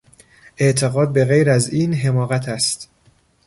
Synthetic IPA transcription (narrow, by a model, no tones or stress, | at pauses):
ʔe̞ʔt̪ʰe̞ɣɒːd̪̚be̞ɣejɾæziːnɦe̞mɒːɣæt̪ʰæst̪